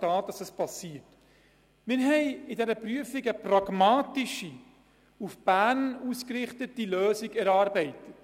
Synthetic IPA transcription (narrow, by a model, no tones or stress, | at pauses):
tɑːt̚d̥ɑsɛspɑsiət | mɪɾɦɛɪɪdɛɾəpryəfɪɡəprɑɡ̥mɑːtɪʃi | ufb̥æːnuːskrɪχtətːiløːziɡɛɾɑːɾbɛɪtət